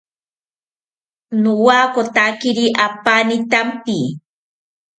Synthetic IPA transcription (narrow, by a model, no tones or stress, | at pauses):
nuwaːkot̪akiɾiʔapanit̪ampi